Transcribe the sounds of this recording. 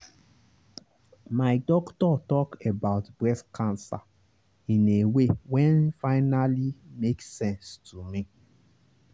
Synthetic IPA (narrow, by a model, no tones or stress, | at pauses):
maɪdɔktɔtɔkebaʊtbɹɛskʰãnsa̰ | ĩnewewɛ̃nfaɪnalimeksɛ̃nstʰumĩ